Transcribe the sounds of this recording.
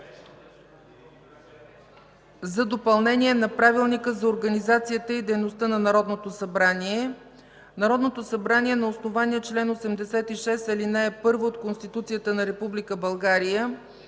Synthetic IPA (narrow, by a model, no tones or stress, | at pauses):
zɐd̪opɐlˠnɛnʲiɛnɐpɾavilˠnikəzɐoɾɡɐnizat̪sijət̪əid̪ɛjnost̪ənɐnɐɾɔd̪not̪osɐbɾaniɛ | nɐɾɔd̪not̪osɐbɾanʲiɛnɐosnovaniɛt͡ʃlɛnosɛmd̪ɛsɛt̪iʃɛsɛlinɛɛpɤɾvoot̪konst̪it̪ut̪sijət̪ənɐɾɛpublikəbɐlˠɡaɾijə